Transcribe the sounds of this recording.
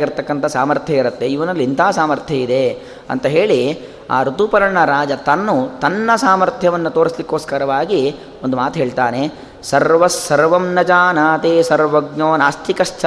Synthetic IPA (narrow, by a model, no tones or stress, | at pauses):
ɡiɾt̪ɐkːɐnt̪ʰɐsaːmɐɾt̪ʰjɐiɾɐt̪ːeiʋɐnɐlːint̪ʰaːsaːmɐɾt̪ʰjɐid̪e̞ | ɐ̰nt̪ɐɦeːɭi | a̰ːɾut̪upɐɾɐɳɐɾaːd͡ʒɐt̪ɐnːut̪ɐnːɐsaːmɐɾt̪ʰjɐʋɐnːut̪oːɾislikːoːskɐɾɐʋaːɡi | ond̪umaːt̪uɦeːɭt̪aːne | sɐɾʋɐsːɐɾʋɐmnɐd͡ʒaːnaːt̪eːsɐɾʋɐɡnoːnaːst̪ʰikɐʂt͡ʃɐ